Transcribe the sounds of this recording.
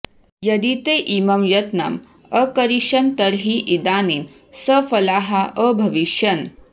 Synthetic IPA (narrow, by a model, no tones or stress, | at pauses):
jɐd̪it̪eʔimɐmjɐt̪nɐ̰m | əkɐɾiʃɐnt̪ɐɾɦiʔid̪aːnin | səfɐlaːɦaəbʱɐʋiʃjɐn